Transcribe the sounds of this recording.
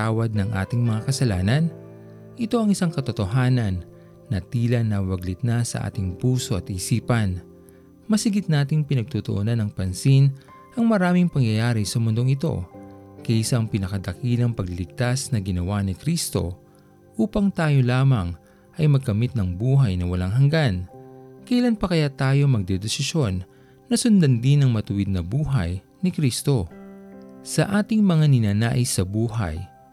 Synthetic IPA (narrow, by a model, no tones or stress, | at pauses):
t̪aːwɐd̪̚nɐŋʔa̰ːt̪ɪŋmɐŋakɐsɐlaːnɐn | ʔɪt̪o̞ʔɐŋɪsaŋkɐt̪ot̪o̞ɦaːnɐnː | ɐt̪iːlɐnːɐwɐɡlɪt̪̚nɐsɐ̰ʔa̰ːt̪ɪŋpuːsoʔɐt̪ʔiːsiːpɐn | mɐsɪɡɪt̪̚naːt̪ɪŋpɪnɐɡ̚t̪ut̪oʔonanːɐŋpɐnsin | ʔɐŋmɐɾaːmɪŋpɐŋjɐjaːɾisɐmʊnd̪oŋɪt̪o̞̰kɐʔsaŋpɪnɐkɐd̪ɐkiːlɐŋpɐɡlɪlɪɡ̚t̪asnɐɡɪnɐwanɪkɾist̪o̞̰ | ʔuːpɐŋt̪aːjo̞laːmɐŋ | ʔɐjmɐɡ̚kɐmit̪̚nɐŋbuːɦɐjnɐwɐlaŋɦɐŋɡankɐʔlanpɐkɐjat̪aːjo̞mɐɡ̚d̪ɛd̪ɛsɪʃo̞nː | ɐsʊnd̪ɐnd̪inɐŋmɐt̪ʊwɪd̪̚nɐbuːɦɐj | nɪkɾist̪o̞ | sɐʔaːt̪ɪŋmɐŋanɪnaːnaːʔɪsːɐbuːɦɐ̰j